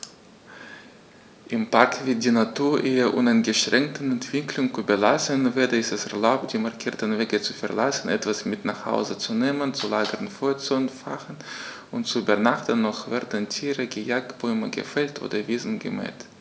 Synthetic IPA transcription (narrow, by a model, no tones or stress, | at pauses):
ʔɪmpakv̥ɪt̚d̥iːnatʰuːɐʔeːɐʔʊnaɪnɡəʃʁ̥ɛŋk̚tn̩ɛntv̥ɪkʰlʊŋkubəlasənveːdɐɪstɛsɛɐlaʊp̚t̚d̥iːmaɐkʰiːɐtn̩veːɡət͡sufɛɐlasn̩ɛtv̥asmɪtnaχha̰ʊzət͡suneːmənt͡sulaːɡəʁənfoːɐt͡suɛnfa̰χən̩ | ʊntt͡suybɐnaχtənːɔχvɛɐdəntʰiːʁəɡəjak̚tb̥ɔʏməɡə̰fɛltʔo̰ːdɐviːzn̩ɡə̰mɛ̰ːt